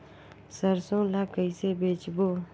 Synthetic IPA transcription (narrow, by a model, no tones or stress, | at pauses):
səɾsõːlakəisebet͡ʃboː